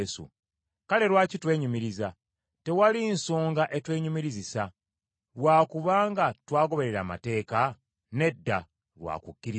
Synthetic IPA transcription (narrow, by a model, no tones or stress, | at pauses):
sṵ | kale̞lwaːcitwe̞ːɲumiɾiza | te̞walinsoːŋɡaʔe̞twe̞ːɲumiɾizisa | ɾwaːkuβaːŋɡatwaːɡo̞βe̞ɾe̞ɾaːma̰te̞ːka | ne̞dːa | lwa̰ːkukːiɾi